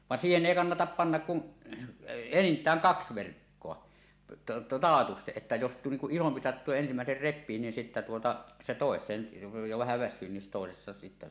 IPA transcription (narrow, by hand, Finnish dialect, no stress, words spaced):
ʋɑˑn siːhen eˑi kɑnːɑtɑp pɑnːɑk kun enintˑæːŋ kɑks ʋerkːoɑ tɑːtusteʔ ʔetːæ jos niŋ kuʔ ʔisompi sɑtːuː jɑ ensimæˑeser repˑiː niːn sitːæ tuotɑ se toˑesˑeːn jo ʋæhæ ʋæsˑyː nin toˑesestɑ sitːæ